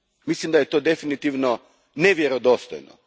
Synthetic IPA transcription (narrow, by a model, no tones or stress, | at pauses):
mislimd̪ajet̪oːd̪e̞finit̪iʋno | neʋjeɾod̪o̞st̪o̰jno̰